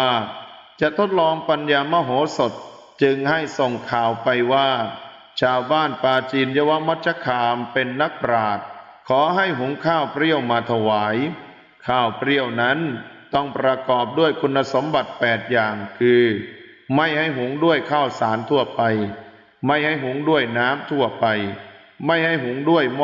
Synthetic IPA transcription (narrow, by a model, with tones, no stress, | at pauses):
a˥˩ | t͡ɕa˨˩ʔt̪ʰo˦˥t̪̚lɔː˧ŋpa˧njaː˧ma˧˥˩ɦoː˩˦so˨˩t̪̚ | t͡ɕɯ˧ŋɦa˥˩jso˨˩ŋkʰaː˨˩wpa˧jwaː˥˩ | t͡ɕʰaː˧wbaː˥˩npaː˧t͡ɕiː˧njaː˦˥wa˦˥ma˦˥t̪̚t͡ɕʰa˧˥kʰaː˧mpe˧nːa˦˥k̚pɾaː˨˩t̪̚ | kʰɔː˩˦ɦa˥˩jɦu˩˦ŋkʰaː˥˩wpɾi˥˩əwmaː˧t̪ʰa˧waː˩˦j | kʰaː˥˩wpɾi˥˩əwna˦˥n | t̪ɔ˥˩ŋpɾa˧kɔː˨˩p̚du˥˩əjkʰu˧nːa˧so˨˩˦mba˨˩t̪̚pɛː˨˩t̪̚jaː˨˩ŋkʰɯː˧ | ma˥˩jha˥˩jɦu˨˩˦ŋdu˥˩əjkʰaː˥˩wsaː˩˦nt̪ʰu˥˩ɐpa˧j | ma˥˩jha˥˩jɦu˨˩˦ŋdu˥˩əjnaː˦˥mt̪ʰu˥˩ɐpa˧j | ma˥˩jɦa˥˩jɦu˨˩˦ŋdu˥˩əjm